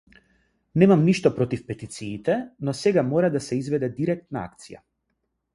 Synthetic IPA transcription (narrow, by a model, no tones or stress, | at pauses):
nɛmamniʃt̪ɔpɾɔt̪ifpɛt̪it̪siːt̪ɛnɔsɛɡamɔɾad̪asɛizvɛd̪ɛd̪iɾɛk̚t̪naa̰kt̪sija̰